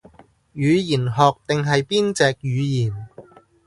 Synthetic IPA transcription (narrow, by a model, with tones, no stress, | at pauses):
jyː˨˧jiː˨˩nɦɔː˨k̚t̪ɪ˨ŋɦɐ˨jpiː˥nt͡sɛː˨k̚jyː˨˧jiː˨˩n